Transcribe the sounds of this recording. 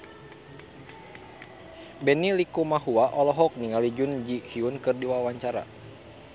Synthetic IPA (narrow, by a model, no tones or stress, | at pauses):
bɛnilikumaɦuaʔɔlɔɦɔk̚niŋalid͡ʒund͡ʒihiunkɨrdiwawaɲt͡ʃaɾa̰